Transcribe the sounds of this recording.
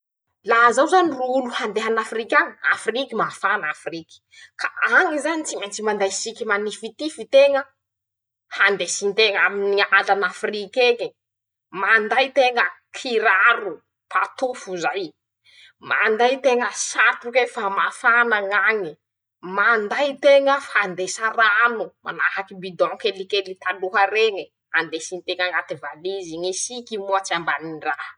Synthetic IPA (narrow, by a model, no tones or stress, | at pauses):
laɦzawzaniruuluhand̪eɦanafrikʲaŋa̰frikimafanafriki̥kaaŋizanit͡simant͡simand̪ajsikʲimanifit̪ifit̪eŋə | hand̪esiɲt̪eŋaminialanafrikeɲi | mand̪ajt̪eŋəkʰiɾaɾu | pat̪ufuzaj | ma̰nd̪ajt̪eŋəsat̪ukefamafanaŋaŋi | mand̪ajt̪eŋəfand̪esaranuma̰nahakibid̪ɔ̃ŋkelikelit̪aluɦaɾeŋə | hand̪esint̪eŋaŋat̪evaliziŋisikimuat͡siambaninrah